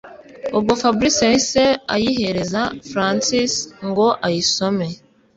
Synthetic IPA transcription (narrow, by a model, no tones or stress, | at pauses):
ubɡofabɾisiahise̞a̰jiɦe̞ɾe̞zafɾansisŋɡo̞ʔajiso̞me̞